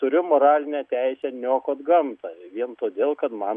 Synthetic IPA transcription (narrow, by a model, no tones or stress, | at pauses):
t̪ʊɾʲʊmoːɾɑːlʲɪnʲɛt̪ʲɛɪsʲɛnʲoːkoɐd̪ɡɐmt̪ɐʋʲiɛnt̪oːd̪ʲeːlˠkɐt̪mɐn